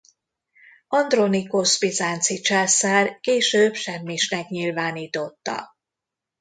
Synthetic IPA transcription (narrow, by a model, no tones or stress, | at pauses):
ɒnd̪ro̞nikospizaːnt̪sit͡ʃɛsarkeːʃøːpʃɛmːiʃnɛkɲilvaːniːt̪o̞t̪ːɒ̰